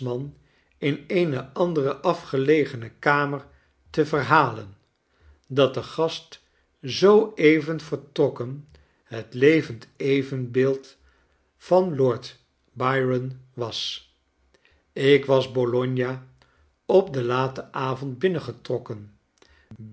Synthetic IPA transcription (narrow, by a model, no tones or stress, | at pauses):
mɑn | ɪnejnəʔɑndərəʔɑfχəlejχənəkaːməɹ | təvəɹɦaːlən | dɑt̚dəχɑst | zowejvənvəɹtrɔkən | ɦətlejvəntejvənbɪːlˠt | fɑnlɔɹt | bɑjɹənʋɑs | ɪkʋɑzbolɔɲjaː | ɔp̚dəlaːtəʔaːvɔnt̚bɪnəχətrɔkən